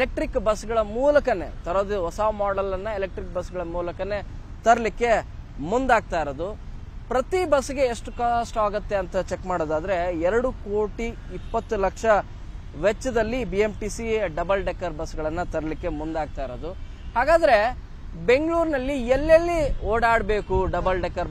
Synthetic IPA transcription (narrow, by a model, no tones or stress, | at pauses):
elek̚ʈɾikbɐsɡɐɭɐmuːlɐkɐne̞̰t̪ɐɾoːd̪eɦɔsaːmaːɖɐlːɐnːɐelek̚ʈɾik̚bɐsɡɐɭɐmuːlɐkɐne̞ | t̪ɐɾɐlikːe̞ | mund̪aːɡ̚t̪aːjiɾod̪u | pɾɐt̪ibɐsɡe̞ːʂʈukasʈaːɡɐt̪ːe̞ɐnt̪ɐt͡ʃekmaːɽoːd̪aːd̪ɐɾe̞ɛɾɐɽukoːʈiːpːɐt̪ːulɐkʂɐ | ʋet͡ʃːɐd̪ɐlːibiemʈisiɖɐbɐlɖekːɐɾbɐsɡɐɭɐnːɐt̪ɐɾɐlikːe̞mund̪aːɡ̚t̪aːjiɾod̪u | haːɡaːd̪ɐɾe̞ | be̞ŋɡɭuːɾnɐlːielːɐlːioːɽaːɽbe̞ːkuɖɐbɐlɖekːɐɾ